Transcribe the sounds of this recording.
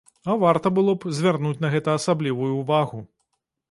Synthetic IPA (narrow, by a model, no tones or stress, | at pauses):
ɐvart̪ɐbɨlˠɔpzʲvʲarnut͡sʲnɐɣɛt̪ɐːsablʲivujuːvaɣu